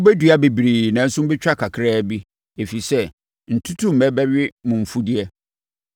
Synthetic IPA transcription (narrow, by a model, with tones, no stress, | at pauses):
ʊ˦bɛ˦du˨a˦be˨bɾi˨nɛ̃˨˦n̩˦sʊ̃˦m̩˦bɪ˦t͡ɕᶣa˦kʰa˨kʰɾɛː˦bi˦ | e˨fi˨sɛ˦ | n̩˨tʰu˦tʰu˦m̩˨ɛ˦bɛ˦ɥɪ˦mʊ̃˨m̩˨fu˦di˦ɛ˦